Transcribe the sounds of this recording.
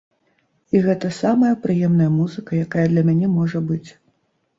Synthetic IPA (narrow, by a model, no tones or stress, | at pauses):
iɣɛt̪ɐsamɐjɐpɾɨjɛmnɐjɐmuzɨkɐjakajɐd̪lʲɐmʲanʲɛmɔʐɐbɨt͡sʲ